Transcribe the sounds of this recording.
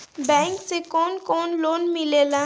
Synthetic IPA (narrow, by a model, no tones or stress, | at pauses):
bɛ̃ːŋksekɔːnkɔːnloːnmilela